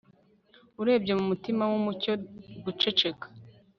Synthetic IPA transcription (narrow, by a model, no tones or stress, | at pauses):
uɾe̞ːbɟe̞mumutimawumuco̞ɡut͡ʃe̞t͡ʃe̞kḁ